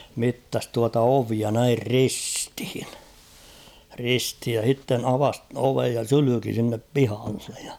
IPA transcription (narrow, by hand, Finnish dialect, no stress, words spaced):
mitːɑs tuɑtɑ oʋiɑ næir ristĭ̥hi̥n̥ risthij jɑ h̞itːen ɑʋɑs oʋej jɑ sylyki sinːep pihɑlːe̥j̊ j̊ɑ̥